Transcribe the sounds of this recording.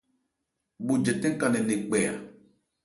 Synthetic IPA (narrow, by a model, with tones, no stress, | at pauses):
ɓu˨d͡ʒɛ˨tɛ̃˦ŋ˦ka˨nɛ˨ne˨k͡pɛ˨a̰˨